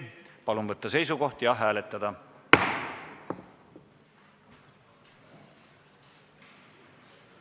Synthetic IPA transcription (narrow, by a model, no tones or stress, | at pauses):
pɑlunvɤt̪ːɑse̞js̬uko̞ht̪jɑɦæːlet̪ːˑɑd̪̥ɑ